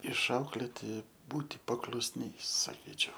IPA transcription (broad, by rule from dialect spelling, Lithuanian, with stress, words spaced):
ɪʃˈɐʊklʲeːtʲɪ ˈbuːtʲɪ pɐklˠʊsʲˈnʲɛɪs sɐˈkʲiːt͡ʃʲɛʊ